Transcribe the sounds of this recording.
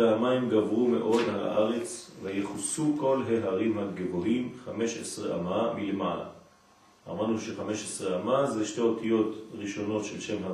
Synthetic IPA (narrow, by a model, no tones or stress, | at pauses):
eamaimɡavʁume̞̰ʔo̞dha̰ʔaʁe̞t͡svejeχusuko̞lɦe̞ɦaʁimhaɡevohimχame̞ʃesʁeʔa̰mamile̞mala̰ | a̰manuʃe̞χame̞ʃesʁeamazeʃteo̞tijo̞tʁiʃo̞no̞tʃe̞lʃe̞mɦa